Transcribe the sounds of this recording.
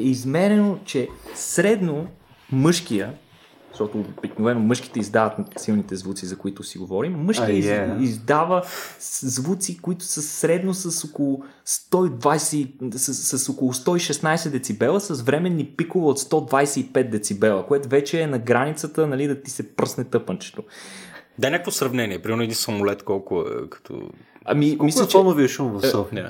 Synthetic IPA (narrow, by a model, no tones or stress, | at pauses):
ɛizmɛɾɛnot͡ʃɛsɾɛd̪no | mɤʃk̟ijə | ʃt̪ɔt̪oːb̥iknovɛnomɤʃki̥t̪ɛizd̪avət̪silˠnit̪ɛzvut̪sizɐkoit̪ʊsiɡovɔɾimːɤʃkiiizd̪avə | zvut̪sikoit̪ʊ̥səsɾɛd̪nosɐsokolˠʊ | st̪ɔid̪vajsɛissɐsokolˠʊst̪ɔiʃɛsnajsɛd̪ɛt̪sibɛlˠəsɐsvɾɛmɛnːipikʊvəot̪st̪ɔd̪vajsɛipɛt̪̚d̪ɛt̪sibɛlˠəkoɛt̪ʊvɛt͡ʃɛːnɐɡɾanit̪sət̪ənɐlid̪ɐt̪isɛpɾəsnɛt̪ɤpənt͡ʃɛ̥t̪o | d̪anʲakəkvosɾɐvnɛniɛpɾimɛɾnoɛd̪insɐmolɛt̪kɔlˠkʊɛ̰kɐ̥t̪ʰɔ̰ɐ̰mimmislʲət͡ʃonoviɛʃomvd̪a